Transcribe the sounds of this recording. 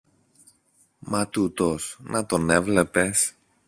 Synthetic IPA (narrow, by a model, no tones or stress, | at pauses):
mɐt̪ut̪o̞snʔɐt̪o̞ne̞vle̞pe̞s